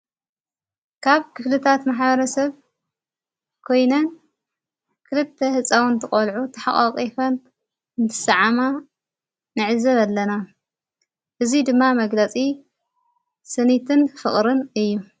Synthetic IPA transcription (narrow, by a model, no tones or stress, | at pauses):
kʰaβkʰɨflɨt̪ʰat̪maħbɐɾɐsɐβ | kʰo̞jnɐn | kʰɨlɨt̪ʰːehɨt͡sʼːawɨnt̪ʰɨkʼɐlʕut̪ʰɐħa̰ʔʼaqʼifɐn | nt̪ʰɨ̥sɐʕama | nɨʕɨzɐβalːɐna | ʔɨzid̪ɨmːamɐɡlɐt͡sʼi | sɨnit̪ʰɨnfɨχʼɾɨnɨjːu